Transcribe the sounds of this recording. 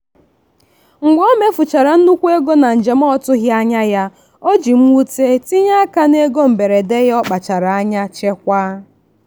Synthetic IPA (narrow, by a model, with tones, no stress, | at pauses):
ŋ̩˨ɡ͡bʷo˦me˦fʊ˨t͡ʃa˨ɾa˨n̩˦nu˦kʷe˦ɡo˦na˨n̩˨d͡ʒe˨m̩˦ɔ˦tʊ˦ɣja˦ɲa˦ja˦ | o˦d͡ʒi˨m̩˦u˦te˦ti˦ɲa˦a˦ka˦ne˦ɡo˦m̩˨be˨ɾe˨de˦ɣɔ˦k͡pa˨t͡ʃa˨ɾa˨a˦ɲa˦t͡ʃe˦kʷaː˦